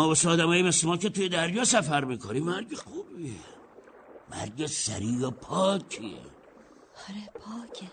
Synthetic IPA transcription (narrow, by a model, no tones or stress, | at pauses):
mɔːbosɛːd̪æmɒːjimeslemɒːket̪ujed̪æɾjɒːsæfæɾmiːkʰonimæɾɟexuːbie | mæ̰ɾɟesæ̰ɾiːjopʰɒːkʰiḛ | ɔɾepʰɒːcʰʲe